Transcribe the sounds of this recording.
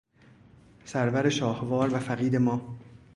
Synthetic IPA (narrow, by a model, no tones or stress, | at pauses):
sæɾvæɾe̞ʃɒːhvɒːɾvæfæɣiːd̪e̞mɒː